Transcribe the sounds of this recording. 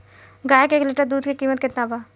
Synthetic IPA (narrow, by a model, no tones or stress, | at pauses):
ɡaːjekeːklɪʈəɾd̪uːd̪kikiːmət̪̚kɪt̪nabaː